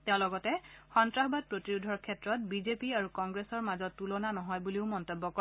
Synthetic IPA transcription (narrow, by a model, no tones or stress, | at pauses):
teʊ̃lɔɡɔtɛxɔntɹaxbad̚pɹotiɹudʱɔɹkʰɛtɹɔt̚bizepiaɹukɔŋɡɹesɔɹmazɔtːulɔnanɔɦɔjbuliʊmɔntobːɔkɔ